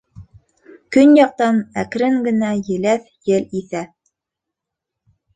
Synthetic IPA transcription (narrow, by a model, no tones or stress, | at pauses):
kɵnjɑq̚t̪ɑnækɾɘŋɡɘ̆næjɘ̆læθ | jɘliθæ